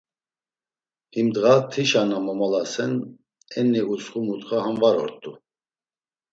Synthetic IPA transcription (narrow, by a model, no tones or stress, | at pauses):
himd̪ʁat̪ʰiʃanamɔmɔlasɛn | ɛnɛut͡sχumut̪χahanvaɾɔ̰ɾt̪ʼu